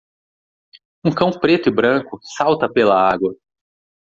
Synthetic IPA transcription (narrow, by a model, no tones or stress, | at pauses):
ũkɐ̃w̃pɾet̪ʊɪbɾɐ̃kʊsawt̪ɐpelɐaɡwɐ